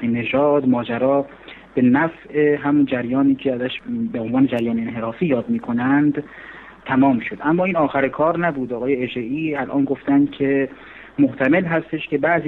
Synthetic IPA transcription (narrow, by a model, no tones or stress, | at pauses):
ne̞ʒɒːd̪mɒːd͡ʒæɾɒː | b̥e̞næfʔe̞ɦæmund͡ʒæɾjɒːniːcʰe̞æzæʃbeonvɒːne̞d͡ʒæɾjɒːneenɦe̞ɾɒːfiːjɒːd̪miːkʰo̞nænd̪ | t̪ʰæmɒːmʃod̪ʔæmːɒːiːnɒːxæɾekʰɒːɾnæbuːd̪ɒːɣɒːjeːʒeiːælʔɒ̰ːnɡo̞ft̪ænd̪̥cʰe̞ | moht̪ʰæme̞lɦæst̪e̞ʃcʰe̞bæʔzi